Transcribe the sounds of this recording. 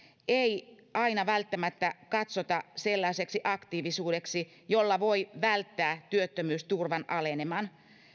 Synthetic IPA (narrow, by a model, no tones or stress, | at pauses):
ei | ɑinɑʋælt̪ːæmæt̪ːækɑt̪sot̪ɑselːɑiseksiʔɑkt̪iːʋisuːdeksi | jolːɑʋoiʋælt̪ːæːt̪yøt̪ːømyːst̪urʋɑnɑlenemɑn